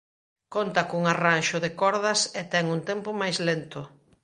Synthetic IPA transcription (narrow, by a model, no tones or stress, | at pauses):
kont̪akoŋaranʃʊðɪkɔɾðɐset̪ɛŋunt̪ɛmpʊmajzlent̪ʊ